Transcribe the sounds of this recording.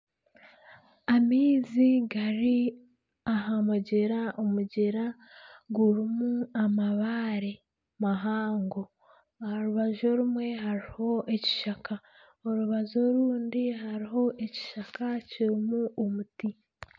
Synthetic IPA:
amiːziɡaɾi | aɦamuɟeɾaʔomuɟeɾa | ɡuɾimuamaβaɾe | maɦaːŋɡo̞ | ahaɾuβaʒo̞ɾumwe̞ɦaɾiho̞ʔeci̥ʃaka | oɾuβazoɾuːndiɦaɾiɦo̞ʔeci̥ʃakaciɾimuʔomuti

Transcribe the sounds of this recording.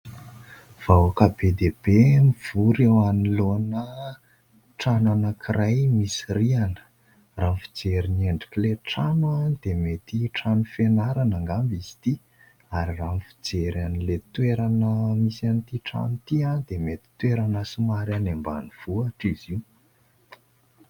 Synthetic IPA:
v̥awakabed̪eb̥emiv̥uɾewanilonə | ʈ͡ʂananəkʰiɾajmisirianə̥ | raːnfi̥d͡zeɾineɳɖ͡ʐi̥kleʈ͡ʂanand̪emet̪iʈ͡ʂanufenaɾanaŋɡambizi̥t̪i | aɾiranfi̥d͡zeɾanilet̪weɾanəmisanit̪iʈ͡ʂa̰nit̪iand̪emet̪i̥t̪weɾanəsumaɾanemba̰niv̥uaʈ͡ʂiziw

